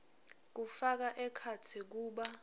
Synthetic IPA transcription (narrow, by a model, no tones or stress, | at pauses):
k̬ufak̬aʔɛkʰatʰik̬uːɓa